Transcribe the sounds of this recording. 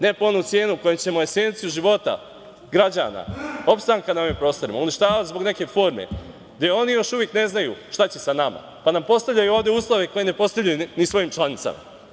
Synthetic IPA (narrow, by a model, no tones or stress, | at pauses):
ne̞po̞nut̪sje̞ːnuko̞jemt͡ɕe̞mo̞e̞se̞nt̪sijuʒiʋo̞t̪a̰ | ɡɾad͡ʑa̰na̰o̞pst̪aŋkanaoʋimpɾo̞ːst̪o̞ɾima̰uniʃt̪aːʋat̪zbo̞ɡne̞ke̞fo̞ːɾme̞̰ | d̪jeo̞nijo̞ʃuʋjekne̞znajṵʃt̪at͡ɕe̞sanama̰ | panampo̞st̪aʋʎajuoːʋd̪ʲe̞uːslˠoʋe̞ko̞je̞ne̞po̞st̪aʋʎajunisʋo̞jimt͡ʃlˠanit̪sa̰ma̰